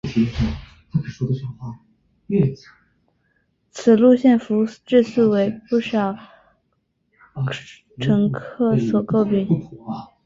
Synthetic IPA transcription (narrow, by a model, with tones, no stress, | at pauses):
a˥˩ə˨˩ʂɔ˥d̪ə˧˩ɕɑ˨˩xa˥˩˥ | t͡sʰɹ̩˨˩lu˥˧ɕjɛ˥˩nfu˧˥ʈ͡ʂɻ̩˥˧sʰɹ̩˥˩we˧˥ɪpu˥˩ʂɑ˨˩˦ʊ | ʈ͡ʂʰɤ˧˥ŋkʰɤ˥˩swɔ˨˩ko˥˧ʊpi˥˩˦ŋ˧